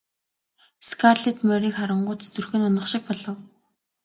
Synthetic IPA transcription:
skʰarɮet̪mœːɾiːkχaɾə̆ɴɢʊːt͡st͡sɵrxɘ̆nʊnə̆χʃɪ̆k̚pɔɮɞ̆w

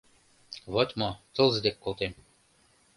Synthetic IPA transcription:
βot̪ʲmot̪ɤ̆lˠzə̆d̪ekːolˠt̪em

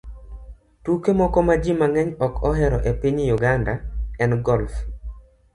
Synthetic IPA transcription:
tukemɔkɔmad͡ʒimaŋɛɲɔkɔɦɛɾɔʔepiɲjuɡandaɛnɡɔlf

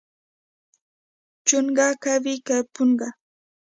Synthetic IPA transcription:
t͡ʃʊŋɢɑkabɪkapʊɴɢɑ

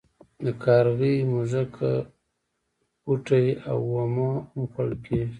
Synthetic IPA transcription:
d̪əkʰɑɾɣimʊzakʰa̰ | uʈaja̰wːamamxaɽkʰeʒ

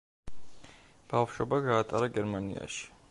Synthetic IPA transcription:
b̥afʃɔbaɡaːt̪ʼaɾaɡɛɾmanḭa̰ʃi̥

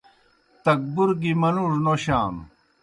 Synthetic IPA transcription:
t̪ɐk̚buɾɡimɐluʐnoɕaːn

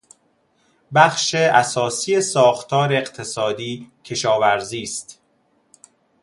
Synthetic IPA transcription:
bæxʃeʔæsɒːsijesɒːxt̪ʰɒːɾeeqt̪ʰe̞sɒːd̪iːcʰe̞ʃɒːvæɾziːst̪

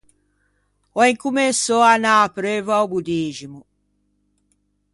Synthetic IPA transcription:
ɔeŋkumesɔanapɾøvuawbud̪iːʒimu

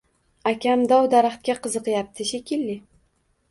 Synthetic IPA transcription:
akʲʰamd̪ɒwd̪aɾaχt̪̚kʲaqʰɨzɨqjap̚t̪ʰɪʃekʲɪlːɪ

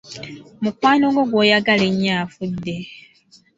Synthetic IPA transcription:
mukwaːnoŋɡo̞ɡwo̞ːjaɡaleɲːaːfudːe

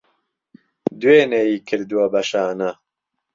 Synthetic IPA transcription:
d̪uweːnejiːkʰɨɾd̪uwɐbɐʃaːna

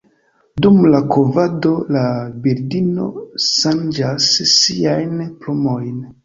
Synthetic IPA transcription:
dumlakovado̞labeɾdino̞̰ʃand͡ʒasːiajnplomo̞jn

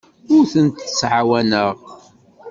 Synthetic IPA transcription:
ʊɾθənt̪sʕawænəʁ

